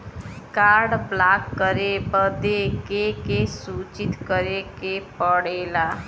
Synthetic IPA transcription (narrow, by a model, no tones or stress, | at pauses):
kaːɾɖblakːəɾebəd̪ekekesuːt͡ʃit̪kəɾekepəɽela